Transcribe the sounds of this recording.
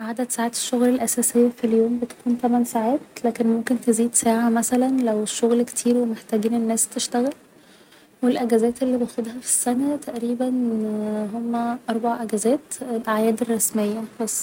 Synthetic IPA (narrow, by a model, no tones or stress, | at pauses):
ʕad̪æd̪saʕaːt̪e̥ʃːoɣlælʔæsæːsejːæfiljoːmbet̪æ̥kuːnt̪æmænsaʕaːt̪̚læːkenmomkent̪eziːd̪sæːʕamæsælænlæweʃːoɣlkt̪ʰiːɾwemeħt̪æːɡiːnenːæːst̪eʃt̪æɣæl | welʔæɡæzæːt̪elːiːbejxod̪hæfi̥sːænæt̪æʔɾiːbæn | ɦomːæʔɑɾˤbaʕaʔæɡæzæːt̪elʔaʕjæːd̪erˤːɑsmejːæbɑsˤː